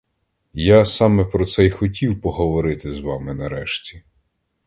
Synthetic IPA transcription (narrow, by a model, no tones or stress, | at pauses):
jasɑmɛpɾɔt̪sɛjxɔtʲiwpɔɦɔʋɔɾɪt̪ɪzʋɑmɪnɐɾɛʃtʲi̥